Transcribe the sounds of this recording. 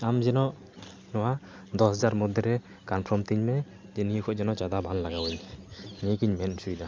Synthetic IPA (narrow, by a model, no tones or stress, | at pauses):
amzɛnɔʔ | nɔwa | d̪ɔszaɾmɔd̪ɛɾɛ | kanpʰɾɔmt̪iɲmɛ | zeniɔkʰɔʔ̚d͡ʒɛnɔʔd͡ʒad̪abanlaɡawɯɲnikɯɲmɛnsujd̪a